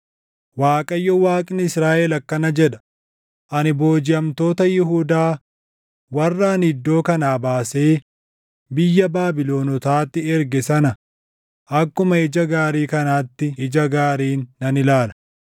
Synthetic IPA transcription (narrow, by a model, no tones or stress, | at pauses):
waːkʼɐjːɔwaːkʼɪnɪɪsɾaːʔeːlɐkːɐnɐd͡ʒɛᶑɐ̥ | ʔɐnɪbo̞ːd͡ʒɪjɐmt̪o̞ːt̪ɐjɪɦuːd̪aː | wɐrːaːnɪd̪ːo̞ːkɐnaːbaːse̞ː | bɪjːɐbaːbɪlo̞ːnɔt̪aːt̪ːɪɛɾɡɛsɐnɐ | ʔɐkːʊmɐɪd͡ʒɐɡaːɾiːkɐnaːt̪ːɪɪd͡ʒɐɡaːɾiːnːɐnɪlaːlɐ